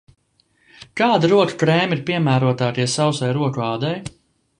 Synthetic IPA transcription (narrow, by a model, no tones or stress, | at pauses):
kaːd̪ɾuɔku̥kɾɛːmiɾpiɛmæːɾuɔt̪aːt̪iɛsawsajɾuɔkuɑːd̪ɛj